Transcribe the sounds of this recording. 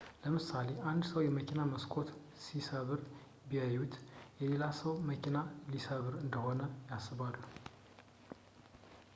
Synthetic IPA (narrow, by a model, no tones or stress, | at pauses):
ləmɨsale̞ʔand̪səwjɛməkinaməskʰo̞t̪ | sisəβɨɾ | bijajut̪jɛle̞lasəwməkʰinalisəβɨɾɨnd̪əho̞nəjasɨβalːu